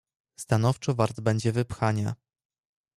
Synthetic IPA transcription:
st̪anɔft͡ʂɔvaɾd̪bɛɲd͡ʑɛvɘpxaɲa̰

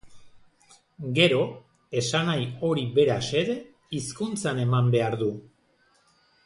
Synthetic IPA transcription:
ɡe̞ɾo̞ | e̞sanajo̞ɾiβe̞ɾase̞ɾe | iskunt͡sane̞mambe̞aɾðu

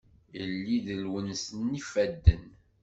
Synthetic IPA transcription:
əlːiðəlwənsənːifæd̪ːən

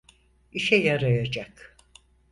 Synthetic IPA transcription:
iʃɛjaɾajad͡ʒak

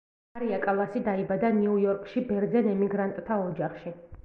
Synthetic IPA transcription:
aɾiakʼalˠasid̪aibad̪aniujɔɾkʼʃibɛɾd̪zɛnɛmiɡɾant̪ʼt̪ʰːaɔd͡ʒaχʃi

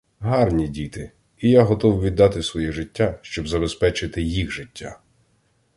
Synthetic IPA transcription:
ɦɑrnʲidʲit̪ɪ | ijaɦɔt̪ɔwʋʲid̪ːɑt̪ɪsʋɔjɛʐɪtʲːaʃt͡ʃɔbzɐbespɛt͡ʃɪt̪ɪjixʒɪtʲːa̰

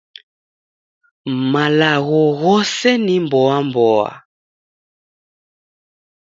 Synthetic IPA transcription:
malaɣɔɣɔsɛnimbɔambɔa̰

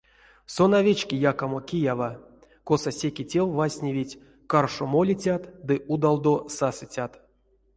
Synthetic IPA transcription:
sonavʲet͡ɕkʲijakamokʲijava | kosasʲekʲitʲelvasʲnʲevʲitʲ | karʂomolʲit͡sʲat̪d̪ɨʔud̪alˠd̪osasɨt͡sʲat̪

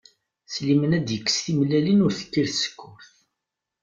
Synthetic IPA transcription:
slimənæd̪jəkːə̥sθimlælinʊɾθə̥kːiɾθsə̥kːʊɾθ

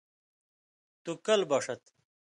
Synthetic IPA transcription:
t̪ukɐlbɐʂɐt̪

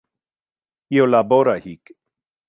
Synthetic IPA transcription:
iolaboɾahik

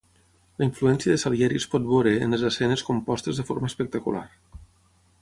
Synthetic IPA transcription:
ləiɱfluɛnsiəðəsaβjɛɾispɔt̪̚βoɾḛːnezəsɛneskumpɔst̪əzðəfo̰ɾməːspək̚t̪akṵla̰r

